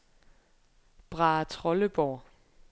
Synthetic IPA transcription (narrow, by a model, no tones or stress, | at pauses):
b̥ʁɑ̈ːt͡sʰʁɔləb̥ɒː